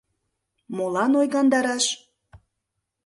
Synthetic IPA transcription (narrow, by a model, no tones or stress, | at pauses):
molɑnojɣɑnd̪ɑɾɑʃ